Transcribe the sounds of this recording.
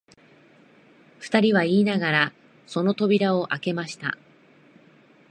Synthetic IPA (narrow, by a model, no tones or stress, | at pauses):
ɸɯ̟̥t̪aɾʲiβaiːnaɡaɾa | so̞no̞t̪o̞bʲiɾao̞ʔake̞maɕi̥t̪a̰